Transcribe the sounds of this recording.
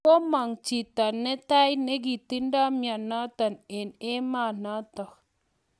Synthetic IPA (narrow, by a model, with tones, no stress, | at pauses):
ko˦ma˨ŋt͡ʃi˨ta˨nːɛ˦ta˦jne˦ɡi˨ti˦nda˦mja˨na˦ta˨ne˨ne˦ma˦˨na˦ta˨k